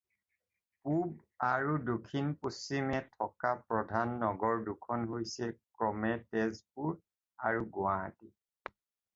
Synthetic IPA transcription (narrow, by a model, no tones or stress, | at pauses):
pubaɹudokʰinpusːimɛtʰɔkapɹɔdʱanːɔɡɔɹdukʰɔnɦojsɛkɹɔmɛtɛzpuɹ | aɹuɡʊa̰ti